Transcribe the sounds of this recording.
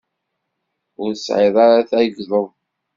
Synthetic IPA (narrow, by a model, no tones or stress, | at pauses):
ʊɾsʕɪðˤɑɾaθæjəɡðˤəðˤ